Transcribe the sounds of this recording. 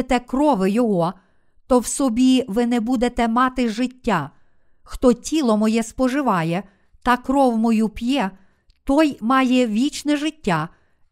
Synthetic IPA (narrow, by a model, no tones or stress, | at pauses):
t̪ɛkɾɔʋɪjɔɦɔ | t̪ɔwsɔbʲiʋɪnɛbud̪et̪ɛmɑt̪ɪʒɪtʲːa | xt̪ɔtʲilˠɔmɔjɛspɔʒɪʋɑjɛ | t̪ɐkɾɔwmɔjupʲjɛ | t̪ɔjmɑjɛʋʲit͡ʃnɛʒɪtʲːa